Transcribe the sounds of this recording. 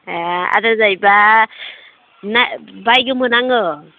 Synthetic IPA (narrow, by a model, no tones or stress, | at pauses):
a̰dazajba | nabajɡɯmɯnaŋɯ